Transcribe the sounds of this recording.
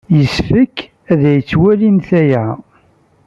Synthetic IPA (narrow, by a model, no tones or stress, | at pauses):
jəsfəkː | æðæjət͡sːwælinθæjæ